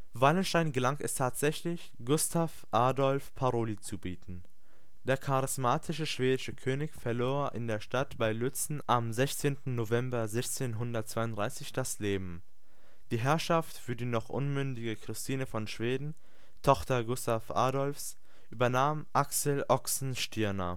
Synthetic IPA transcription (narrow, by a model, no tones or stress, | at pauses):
valənʃtaɪnɡəlaŋtɛstʰaːtz̥ɛçlɪç | ɡ̥ʊstʰafʔaːdɔlfpʰaʁoːlit͡subiːtn̩ | d̥eːɐkʰaʁɪsmaːtʰɪʃəʃv̥eːdɪʃəkʰøːnɪçfɛɐloːɐʔɪ̰ndeːɐʃtatb̥aɪlʏt͡sn̩ʔamzɛçt͡seːntn̩novɛmbɐzɛçt͡seːnɦʊndɐt̚t͡sv̥aɪʊntdʁaɪsɪçd̥asleːbm̩ | d̥iːɦɛɐʃaftfyːɐdiːnɔχʔʊ̰nmʏndɪɡəkʁ̥ɪstʰiːnəfɔnʃv̥eːdn̩ | tʰɔχtɐɡʊstafʔa̰ːdɔlfs | ʔyːbɐnaːmʔaksɛlʔɔksn̩ʃtʰɪɐnɐ̰